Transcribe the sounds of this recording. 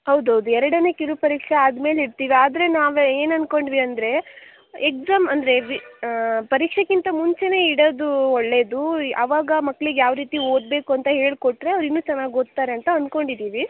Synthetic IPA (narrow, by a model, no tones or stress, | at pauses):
hɐwd̪uɦɐwd̪uɛɾɐɽɐnekiɾupɐɾiːkʂeaːd̪me̞ːliɽt̪iːʋiaːd̪ɐɾe̞naːʋe̞ːnɐnko̞ɳɖʋiɐnd̪ɾe̞ | ek̚d͡ʒaːmɐnd̪ɐɾe̞ʋipɐɾiːkʂekint̪ɐmuɲt͡ʃe̞ne̞ːiɽoːd̪uoɭːe̞ːd̪uɐ̰ʋaːɡɐmɐkːɭiɡejaːʋɾiːt̪io̞ːd̪̚be̞ːkuɐnt̪ɐɦe̞ːɭko̞ʈːɾe̞ɐʋɾinːuːt͡ʃɐnːaːɡot̪ːaːɾeɐnt̪ɐɐnko̞ɳɖid̪iːʋi